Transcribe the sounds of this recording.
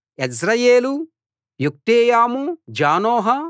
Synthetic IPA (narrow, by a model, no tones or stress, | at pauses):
ɐsɾɐjeːlu | juk̚ʈ̪eːjaːmud͡ʒaːnoːɦɐ